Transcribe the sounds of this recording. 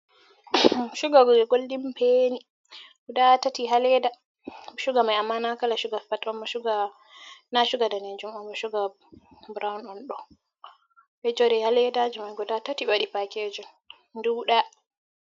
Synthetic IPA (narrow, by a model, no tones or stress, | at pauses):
ʃuɡaɡɔɡoldimpeni | ɡɔdatatiɦalɛda | ʃuɡamajamːanakalaʃuɡafatɔmɔʃuɡa | naʃuɡadanɛd͡ʒumambɔʃuɡa | bɾawnɔnɗɔ | ʔɛd͡ʒɔɾɛhalɛdad͡ʒimajɡɔdatatiɓaɗipaked͡ʒɔn | duɗa